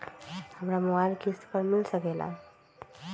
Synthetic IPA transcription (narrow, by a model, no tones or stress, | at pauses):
həmɾamɔajlkispəɾmilsəkɛla̰